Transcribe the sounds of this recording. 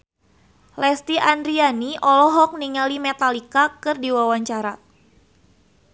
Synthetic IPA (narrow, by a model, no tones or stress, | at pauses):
lɛst̪iʔandɾianiʔɔlɔɦɔk̚niŋalimɛt̪alikakɨrdiwawaɲt͡ʃaɾa